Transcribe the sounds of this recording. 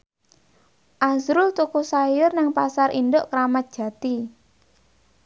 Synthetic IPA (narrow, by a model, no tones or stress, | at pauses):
ʔazɾʊlt̪ukusajʊrnɪŋpasarʔind̪ʊʔkɾamat̪̚d̥ʒ̥ä̤t̪i